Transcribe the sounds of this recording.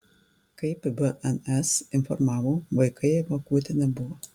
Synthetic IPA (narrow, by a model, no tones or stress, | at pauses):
kɐɪpbɛʔɛnɛsɪnfɔɾmɑːʋoːʋɐɪkɐɪʋɐkuːt̪ʲɛnʲɛbʊʋɔ